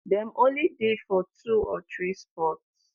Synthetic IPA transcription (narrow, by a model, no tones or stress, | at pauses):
dɛ̃mõnlidefɔtʰuɔt̪ɹispɔts